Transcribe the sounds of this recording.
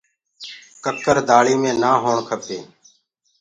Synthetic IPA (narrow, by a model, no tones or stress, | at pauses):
kəkəɾd̪aːɭiːmẽːnaːɦoːɳkʰəpeː